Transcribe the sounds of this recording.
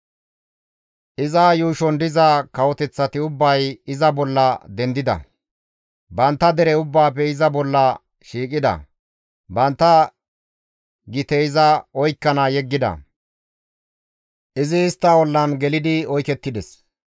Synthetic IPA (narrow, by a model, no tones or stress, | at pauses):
ʔɪzɐːjuːʃɔnd̪ɪzɐkɐwɔt̪ɛt͡sːɐt̪ɪʊbːɐjɪzɐbɔlːɐd̪ɛnd̪ɪd̪ɐ̰ | bɐnt̪ːɐd̪ɛɾɛʊbːaːpːɛɪzɐbɔlːɐ | ʃiːkʼɪd̪ɐ̰ | bɐnt̪ːɐ | ɡɪt̪ɛɪzɐɔjkːɐnɐjɛɡːɪd̪ɐ̰ | ʔɪzɪːst̪ːɐwɔlːɐnɡɛlɪd̪ɪɔjkɛt̪ːɪd̪ɛs